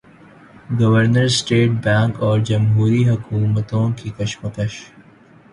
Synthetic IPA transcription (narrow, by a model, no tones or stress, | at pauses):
ɡɐʋəɾnəɾsʈeːʈ̚bɛ̃ːŋkɔːɾd͡ʒɐmɦuːɾiɦɐkuːmət̪õkikɐʃməkəʃ